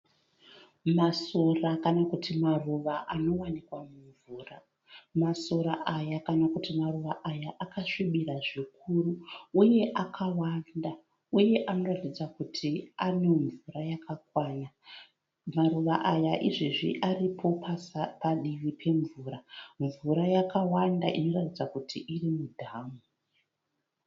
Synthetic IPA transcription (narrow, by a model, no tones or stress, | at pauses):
maso̞rakanakutʰimaruʋaʔano̞wanikwamuɱvuːra̰ | maso̞ɾaʔajakanakutimaruʋaʔajaʔakaʂiɓiɾaʐik̚ʰuruːje̞ʔakʰawanda | uje̞ʔano̞ratid͡zakutʰiane̞ɱvurajakakwaːna | maruʋaʔajaʔiʐiʐḭʔaripʰo̞pʰaspaɗiʋipʰe̞ɱvuːɾaɱvuɾajakawandaʔino̞ratid͡zakutʰiʔirimudʱaːmu